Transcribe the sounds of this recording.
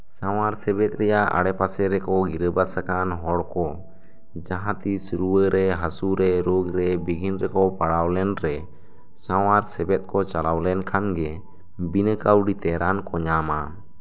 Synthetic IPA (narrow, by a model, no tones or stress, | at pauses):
saw̃aɾsɛbɛt̪̚ɾɛjaʔa̰ɽɛpasɛɾɛkɔɡiɾəbasakanɦɔɽkɔ | d͡ʒaɦãt̪isuɾuəɾɛɦasuɾɛɾoɡɾɛbiɡʱinɾɛkɔpaɽawlɛnɾɛ | sawaɾsɛbɛt̪̚kɔt͡ʃalawlɛnkʰanɡɛ | binəkawɖit̪ɛɾʔankɔɲama